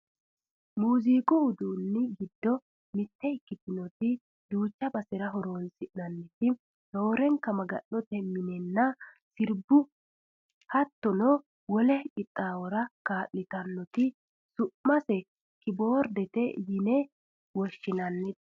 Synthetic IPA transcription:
muːziːkʼɔʊd̪uːnːɪɡɪd̪ːɔ | mɪt̪ːɛɪkːɪt̪ːɪnɔt̪ɪ | d̪uːt͡ʃːɐbɐsɛɾɐɦɔɾoːnsɪʔnɐnːɪt̪ɪ | no̞ːɾɛŋkɐmɐɡɐ̰nːɔt̪ɛmːɪnɛnːɐ | sɪɾbːʊ | hɐt̪ːɔnɔ | wɔlɛkʼɪt̪ʼːaːwɔɾɐkaːʔːɪt̪ɐnːɔt̪ɪ | sʊʔmɐsɛ | kɪboːɾd̪ɛt̪ɛjɪnɛ | wɔʃːɪnɐnːɪt̪

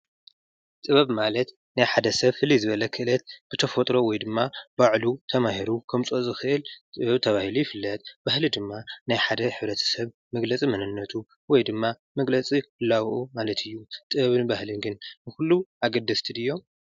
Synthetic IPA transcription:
t̪ʼɨβɐβmalɐt̪ | najħad̪ɐsɐβfɨlːizɨβɐlɐkʰɨʔɨlɐt̪b̥ɨt̪ʰɐfot̪ʼɾo̞wɔjd̪ɨmːabaʕlut̪ʰɐmahiɾukʰɐmt͡sʼozʼɨxɨʔɨlt̪ʼɨβɐβt̪ʰɐβahilujɪfɨlːɐt̪ʼb̥ahlid̪ɨmːanajħad̪ɐħɨβɾɐt̪ʰɐ̥sɐβ | mɐɡlɐt͡sʼimɐnɨnːɐt̪ʰu | wɔjd̪ɨmːa | mɐɡlɐt͡sʼifɨlːawʔumalɐt̪ʰɨjːut̪ʼɨβɐβɨnbahlɨnɡɨnnɨxulːuʔaɡɐd̪ːɐst̪ʰɨd̪ɨjːo̞m

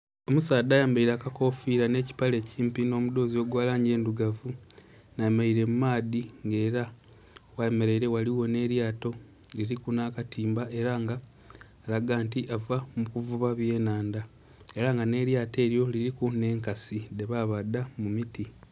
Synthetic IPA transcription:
o̞musaːd̪aːjaːmbaiɾaːkako̞fiɾane̞ːci̥pale̞ːciːmpino̞ːmud̪o̞ːzio̞ɡwaːlaːɲɟe̞ːnduɡavu | najemaiɾe̞mumaːdiŋɡe̞ːɾa | waeme̞ɾe̞iɾe̞waliwo̞ne̞ɾjaːto̞ | liɾikunaːkatiːmbaʔe̞ɾaːŋɡaː | laɡaːntiʔavamukuvuβaβje̞ːnaːnda | e̞ɾaŋɡane̞ɾjaːte̞ːɾjo̞liɾikune̞ːŋkaside̞βaβad̪ːamumiti

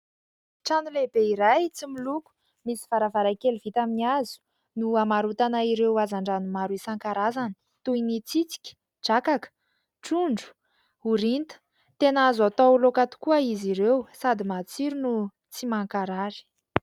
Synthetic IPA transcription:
ʈ͡ʂanulebeiɾajt͡similuku̥ | misi̥vaɾavaɾakeliv̥it̪aminiazu̥ | nuamaɾut̪anaiɾewazaɳɖ͡ʐanumaɾuisaŋkaɾazanə̥ | t̪uinit͡sit͡si̥kʲi̥ | d͡ʒakakə̥ | ʈ͡ʂuɳɖ͡ʐu̥ | uɾint̪ə̥ | t̪enazat̪owlokat̪u̥kuəiziɾewsad̪imat͡siɾunu | t͡simaŋkaɾaɾi̥

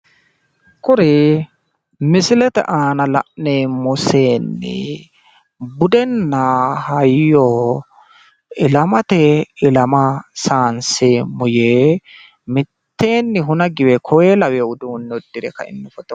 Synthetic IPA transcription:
kɔɾeː | mɪsɪlɛt̪ɛ̰ʔaːnɐlɐ̰ʔneːmɔseːnːɪ̰ | bʊd̪ɛnːaːhɐjːɔ | ɪlɐmɐt̪ɛɪlɐmɐsaːnseːmʊjeː | mɪtt̪ːe̞ːnːɪɦʊnɐɡɪwɛkʰɔweːlɐwɛʊd̪uːnːɔd̪ːɪɾɛkɐ̰ɪ̰nːʊfɔt̪ɔ

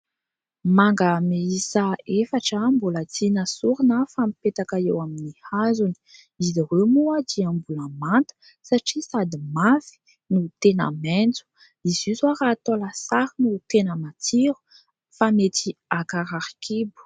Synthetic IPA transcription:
maŋɡəmeisaefaʈ͡ʂəmbulat͡sinəsuɾinəfamipet̪akaewaminihazuni̥ | iziɾemuad̪iambulamant̪ə̥ | saʈ͡ʂisad̪imafi̥ | nut̪ena̰mɛnt͡su̥ | izizwaɾat̪olasaɾinut̪enəmat̪ʰiɾu̥ | famet̪iakaɾaɾkibu̥

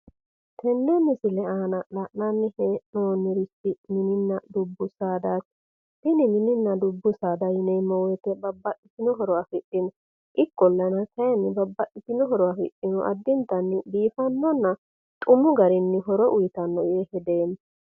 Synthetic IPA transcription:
t̪ʰɛnːɔnːɪsɪlɛaːnɐlɐʔnanːɪhɛnoːnɪɾɪsɪmɪnɪnːɐd̪ʊbːʊsaːd̪aːt̪ | hɪnɪmɪnɪnːɐd̪ʊbːʊsaːd̪ɐjɪnɛjmɔwɛt̪ɛbɐbːɐʔʼɪt̪ɪnɔɦɔɾɔwafɪɗɪnɔ | ʔɪkːɔlːɐnɐtɐjɐnːɪbɐbːɐʔʼɪt̪ːɪnɔɦɔɾɔwafɪ̰ɗːɪnɔʔɐ̰d̪ːɪnt̪ɐnːɪb̪iːfɐnːɔnːɐ | t̪ʼʊmʊɡɐɾɪnːɪɦɔɾɔʔʊjɪt̪ɐnːɔʔehɛd̪eːn

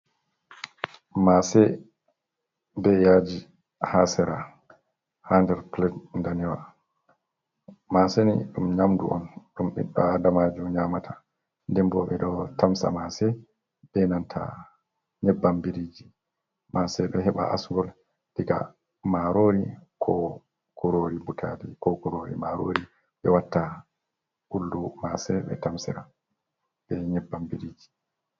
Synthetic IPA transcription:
masɛ | bɛjaːd͡ʒi | hasɛɾa | handɛɾplɛdndanɛwa̰ | masenḭɗumɲamdṵʔɔ̰nɗumɗḭɗːadamad͡ʒumɲaːmatʰa | ndɛmbɔɓɛɗɔtamsa̰masɛ | b̥ɛnantʰa̰ | ɲɛbːambiɾiːd͡ʒi | masɛɗɔɦɛɓa̰ʔa̰sŋɡɔl | diɡa̰ | maɾoːɾikʰɔ | kuɾoɾibutʰa̰dikɔɡuɾoːɾḭmaɾo̰ɾi | ɓɛwatːa | ʔuldumasɛɓɛ̰tamsḭɾa | bɛɲɛbːambiɾiːd͡ʒi̥

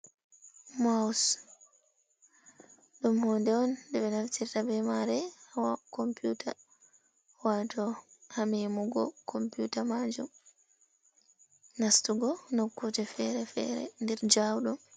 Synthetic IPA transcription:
mas | ɗumhoːndɛɔndɛɓɛnaftiɾtabɛmaɾɛhawakɔmpjuta | watɔhamimuɡɔkʰɔmpjutamad͡ʒum | nastuɡɔnokːud͡ʒɛfɛɾɛfɛ̰ɾɛ̰ndɛɾd͡ʒawɗɔm

